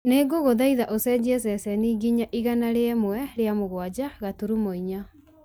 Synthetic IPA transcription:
neɡoɣoðaiðaʔosɛd͡ʑiɛs̬ɛsɛniːɡiɲaʔiɣanaɾeɛmwɛɾeamoɣwad͡ʑaɣatuɾumoiɲa

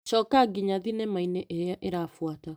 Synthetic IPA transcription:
ʃɔːkaɡiɲaðinɛmaineʔeɾeaʔeɾafwata

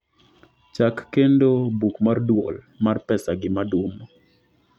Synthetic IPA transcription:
t͡ʃakːendobukmardwol | marpɛsaɡɪmadomo

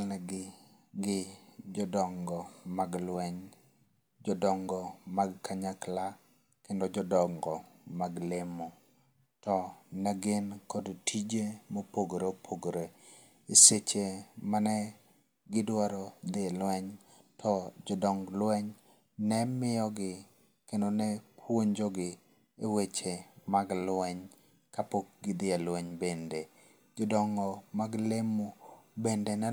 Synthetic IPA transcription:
lnɛɡɪ | ɡɪd͡ʒɔdɔŋɡɔmaɡlwɛɲ | d͡ʒɔdɔŋɡɔmaɡkaɲakla | kendɔd͡ʒɔdɔŋɡɔmaɡlɪmɔ | tɔnaɡɪnkɔdtʰid͡ʒemɔpoɡɾeopʰoɡɾe | iset͡ʃemanɛ | ɡɪdwaɾɔd̪ɪelwɛɲ | tʰɔd͡ʒɔdɔŋɡlwɛɲ | nɛmɪjɔɡɪ | kendonɛpʰwoɲd͡ʒɔɡɪ | ewet͡ʃemaɡlwɛɲ | kapok̚ɡɪd̪ɪalwɛɲbende | d͡ʒɔdɔŋɡɔmaɡlemubendenɛ

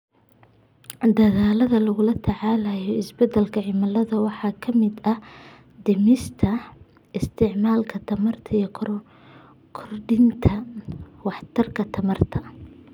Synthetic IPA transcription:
d̪ɐɣaːlɐðɐlɐɣʊlɐt̪ʰɐʕɑːlɐːjɔɪsbɐd̪ːɛlkʰɐʕɪmɐlɐðɐwɑħɑːkʰɐmɪd̪ɐh | d̪ɛmɪst̪ʰɐ | ɪst̪ʰɪʕmaːlkʰɐt̪ʰɐmɐrt̪ʰɐijkʰ | kʰɔrɖɪnt̪ʰɐwɑħt̪ʰɐrkʰɐt̪ʰɐmɐrt̪ʰɐ

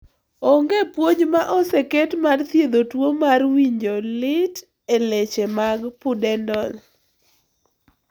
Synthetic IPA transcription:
ɔŋɡepwoɲmaʔɔsɛkɛtmart̪jed̪otwomarwiɲd͡ʒolɪt | elet͡ʃemaɡpʊdɛndɔl

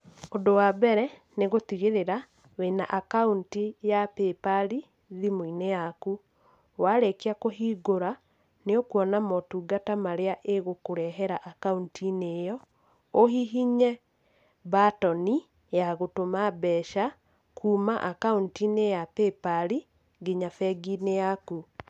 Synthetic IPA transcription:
ondowabɛɾɛ | neɣot̪iɣeɾeɾa | wena̰ʔakauntijapepaɾi | ðimoinejaku | waɾekeakoɦiːɡoɾa | neokuɔnamɔtuːɡatamaɾeaʔeɣokoɾɛɦɛɾaʔakauntinejɔ | oɦiɦiɲɛ | batɔni | jaɣotomabɛːʃa | kʰuːmaʔakauntinejapepaɾi | ɡiɲafɛɡinejaku

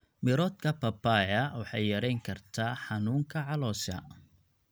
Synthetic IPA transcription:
mɪɾɔːd̪kʰɐpɐpaʕɐwɑħɑjjɐɾɛjŋkʰɐrt̪ʰaːħɑnuːŋkʰɐʕɑlɔːʃɐ̰

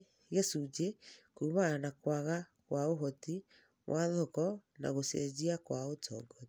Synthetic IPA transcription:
ɣesud͡ʒekumanakwaɣakwaoɦɔti | wʔaðɔkɔna̰ɣosḛd͡ʑiakwaotʰɔɡɔ

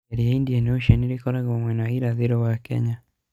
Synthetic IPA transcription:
ɛɾiaindianɛuʃɛniɾikɔɾaɡamwɛnaiɾaðiɾɔwakɛ̰ɲa

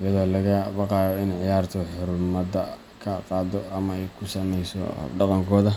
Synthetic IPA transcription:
ɪjɐðɔːlɐɣɐbɑqɑːjɔɪnʕɪjaːrt̪ʰɔħʊɾmɐd̪ɐ | kʰɐqɑːd̪ɔɐmɐɛjkʰʊsɐnɛjsɔ̰ɖɑqɑŋkʰɔːðɐ

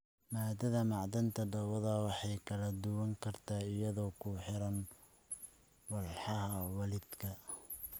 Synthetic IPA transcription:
maːd̪ɐðɐmɑʕd̪ɐnt̪ʰɐɖɐwɐðɐwɑħɑjkʰɐlɐd̪ʊwɐŋkʰɐrt̪ʰaːɪjɐðɔːkʰʊħɪɾɐn | wɑlħɑɦɐwɐlɪd̪̥kʰɐ

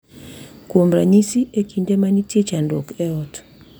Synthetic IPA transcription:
komɾa̰ɲisiekindemanitjet͡ʃando̰kɛɔt

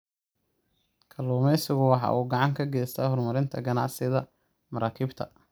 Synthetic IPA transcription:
kʰɐluːmɛsɪɣʊwɑħɑ̰ːʔuːɡɑʕɑŋkʰɐɡɛːst̪ʰɐːhɔrmɐɾɪnt̪ʰɐɡɐnɑ̰ʕsɪðɐ | mɐɾaːkʰɪːbt̪ʰɐ̰

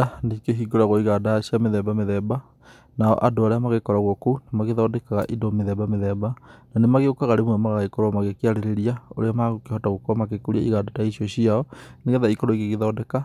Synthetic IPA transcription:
andikeɦiɡoɾaɣoiɣaːdaɕjameðɛbameðɛba | naɔ̰ʔadoaɾeamaɣekɔɾaɣokounamaɣeðɔːdɛkaɣa̰ʔidomeðɛbameðɛbananemaɣeokaɣaɾemwɛmaɣaaikoɾoamaɣekeaɾeɾeɾiaoɾeamaɣokehɔtaɣokoamak̬ekuɾia̰iɣadataiɕjɔɕiaɔneɣeðaikoɾoiɣeɣeðɔːdɛka

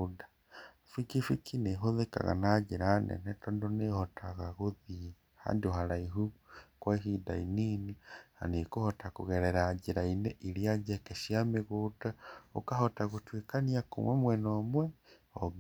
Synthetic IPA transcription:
da | fikifikʰineɦoðeka̰ɣa̰naɟeɾanḛnɛtɔndonehɔtʰaɣaɣoði | ha̰ːndioɦalaiɦukwaihidaininiha̰nekohɔtakoɣeɾɛɾaɟiɾainɛʔiɾjad͡ʒekeʃiameɣudaokahɔtaɣutwekaniako̰mwɛmwɛnɔmwɛ | ɔ

